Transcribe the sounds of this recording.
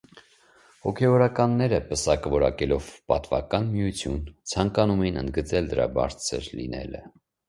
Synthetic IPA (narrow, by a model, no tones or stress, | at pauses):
hɔkʰɛvɔɾɑkɑnːɛɾəpəsɑkvɔɾɑkɛlɔvpɑt̪vɑkɑnmijut͡sʰjunt͡sʰɑŋkɑnumɛjinə̰nd̪̚ɡət͡sɛld̪əɾɑ̰bɑ̰ɾt͡sʰə̰ɾlḭnɛ̰lə̰